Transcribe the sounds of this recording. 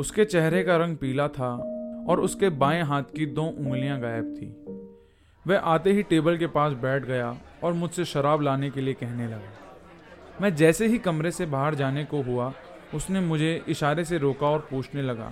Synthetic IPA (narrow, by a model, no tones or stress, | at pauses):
ʊsket͡ʃɛɦɾekaɾɐ̃ŋɡ̚piːlat̪ʰaɔːɾʊskebaːẽɦaːt̪ʰkid̪oːʔʊ̃ŋɡlijãɡaːjəb̚t̪ʰḭː | ʋɛʔaːt̪eɦiʈeːbəlkepaːsbɛːʈʰɡɐja | ɔːɾmʊd͡ʒʱseʃɐɾaːblaːnekeliekɛɦnelɐɡaː | mɛ̃ːd͡ʒɛːseɦikɐmɾesebaːɦəɾd͡ʒaːnekoɦua | ʊsnemʊd͡ʒʱeʔɪʃaːɾeseɾoːkaɔːɾpuːt͡ʃʰnelɐɡa̰ː